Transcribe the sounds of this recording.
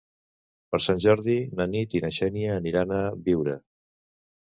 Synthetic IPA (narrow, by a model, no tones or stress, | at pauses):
pəɾsanʲʒɔɾðinənit̪inəʃɛnjəːniɾanəβiwɾə